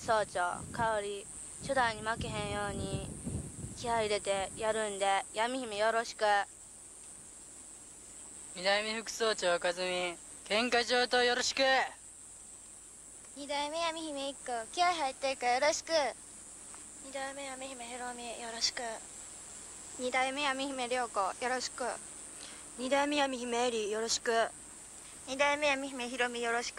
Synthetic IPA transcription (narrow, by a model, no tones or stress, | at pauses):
so̞ːt͡ɕo̰ːkaoɾʲi | ɕod̪aiɲ̟imakeɦẽ̞ɰ̃jo̞ːɲ̟i | kʲihaɾʲid̪e̞t̪e̞jaɾɯ̟nd̪e̞jamʲiçimejoɾo̞ɕi̥kɯ̟ | ɲid̪aimʲeɸɯ̟kɯ̟̥so̞ːt͡ɕoːkazɨmʲi | kẽ̞ŋkat͡ɕoːt̪ojoɾoɕi̥kɯ | ɲʲid̪aimejamʲiçimeikːokʲiaɦait̪ːeikajo̞ɾoɕi̥kɯ̟ | ɲid̪aimejamʲeçimeçiɾomʲijoɾoɕi̥kɯ̟ | ɲid̪aimejamʲiçimeɾʲo̞ːkojo̞ɾo̞ɕi̥kɯ̰ | ɲ̟id̪aimʲejamʲiçimeɾʲijo̞ɾo̞ɕi̥kɯ̟ | ɲ̟id̪aimejamʲiçimeçiɾomʲijo̞ɾoɕi̥k